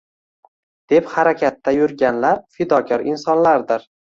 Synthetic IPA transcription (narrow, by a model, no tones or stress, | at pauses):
d̪̥e̞phaɾakʲʰat̪ːajʊɾɡʲanlaɾfɪd̪ɒkʰʲɒɾɪnsɒnlaɾd̪ɪɾ